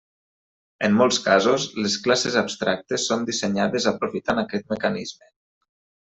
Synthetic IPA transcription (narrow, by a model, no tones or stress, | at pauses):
emːolˠskazuzlesklasezabst̪ɾak̚t̪esːond̪iseɲaðezapɾufit̪anakɛt̪̚məkanizme